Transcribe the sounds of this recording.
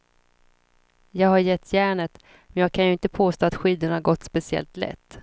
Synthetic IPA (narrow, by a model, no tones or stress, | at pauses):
jɑːɡhaɾjɛt̪ʰːjæːɳət̪ | mɛnjɑːɡ̚kʰanjɵɪnt̪əpʰoːst̪oːat̪ɧiːd̪əɳahaɾɡɔt̪ːspɛsɪɛ̰lt̪lɛ̰t̪ː